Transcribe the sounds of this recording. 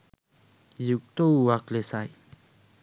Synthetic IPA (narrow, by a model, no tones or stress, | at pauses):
juk̚t̪ouwaklesaj